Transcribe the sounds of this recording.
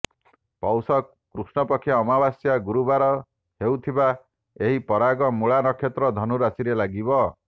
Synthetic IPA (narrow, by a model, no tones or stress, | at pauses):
pɔwsɔ | kɾusnɔpɔkʰːjaːmabasjaɡuɾubaɾɔ | hewt̪ʰiba | eɦipɔɾaɡɔmuɭanɔkʰjet̪ɾɔd̪ʱɔnuɾasiɾelaɡibɔ